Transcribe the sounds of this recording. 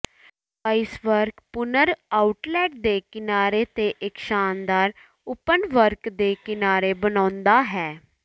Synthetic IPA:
əɪsʋəɾkpʊnəɾaːʊʈlɛːʈ̚d̪eːkɪnaːɾet̪eʔɪkʃaːnd̪aːɾ | ʊpənʋəɾkd̪eːkɪnaːɾebənãːnd̪aːɦɛː

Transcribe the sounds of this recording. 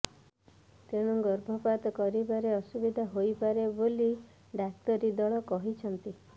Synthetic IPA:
t̪eɽ̃uɡɔɾbʱɔpat̪ɔkɔɾibaɾeɔsubid̪ʱaɦojpaɾeboli | ɖak̚t̪ɔɾid̪ɔɭɔkɔɦit͡ʃʰɔnt̪i

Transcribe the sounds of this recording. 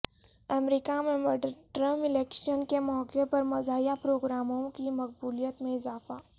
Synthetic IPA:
ɐmɾikamẽməɾɖəɾʈɾə̃mpɪleːkʃənkemɔːkepɐɾmɐzaːjapɾoːɡɾaːmõkimɐqbuːlijət̪mẽɪzaːfa

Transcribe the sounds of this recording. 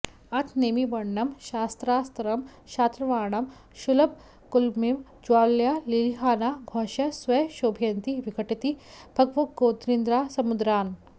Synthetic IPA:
ɐt̪ʰneːmiʋɐɳːɐmʃaːst̪ɾaːst̪ɐɾɐmʃaːt̪ɾɐʋaːɳɐm | ʃulɐb̚ | kulmimd͡ʒuwaːljaliliɦaːnaːɡʱɔːʃɐsʋɐjʃoːbʱjɐnt̪iʋikʰɐʈit̪ibʱɐɡʋɐɡoːt̪ɾind̪ɾaːsɐmud̪ɾaːn

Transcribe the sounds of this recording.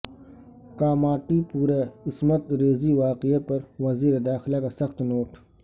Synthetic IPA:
kaːmaːʈipuːɾeɪsmɐt̪ɾeːziwaːqiapɐɾwɐziːɾed̪aːxɪlakasɐxt̪noːʈ

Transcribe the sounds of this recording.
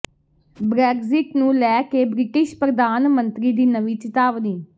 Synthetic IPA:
bɾɛːkzɪʈnũːlɛːkeːbɾɪʈɪʃpɾəd̪aːnmə̃nt̪ɾiːd̪iːnəʋiːt͡ʃɪt̪aːʋniː

